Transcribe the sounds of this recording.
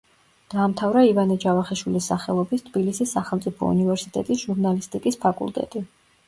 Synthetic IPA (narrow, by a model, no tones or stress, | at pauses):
d̪̥aːmt̪ʰavɾaivanad͡ʒavaχiʃwilisːaχɛlˠɔbist̪ʰbilisisːaχɛlˠmt̪sʼipʰɔ̰ṵnivɛɾsit̪ʼɛ̰t̪ʼisʒ̥uɾnalist̪ʼikʼispʰakʼṵlˠt̪ʼɛ̰t̪ʼi